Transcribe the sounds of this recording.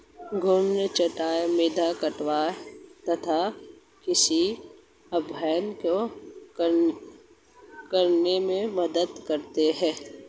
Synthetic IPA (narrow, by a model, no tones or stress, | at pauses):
ɡʱʊmnet͡ʃɐʈaːemeːd̪ʱakəʈwaːt̪ɐt̪ʰa | kɪsi | ɐbʱɛːənko | kəɾnemẽməd̪əd̪kəɾt̪eɦɛ̃ː